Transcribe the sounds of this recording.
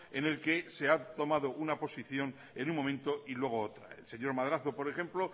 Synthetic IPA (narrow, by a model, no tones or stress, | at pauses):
ene̞lke̞se̞at̪o̞maðo̞ʔunapo̞siθjo̞n | e̞nuŋmomẽ̞nt̪o̞ʔilwe̞ɣ̞oot̪ɾa̰ḛlse̞ɲo̞ɾmaðɾaθopo̞ɾe̞xe̞mplo̞